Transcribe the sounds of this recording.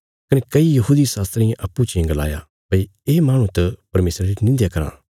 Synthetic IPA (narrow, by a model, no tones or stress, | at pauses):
kɐnekɐijɐɦuːd̪isaːst̪ɾɪ̃jãʔɐpːut͡ʃiɐ̃ɡɐla̰ːja̰ | pɐieːmaːɽ̃ũt̪ɐpɐɾmeːsɾaɾinɪ̃nd̪jakɐɾa̰ː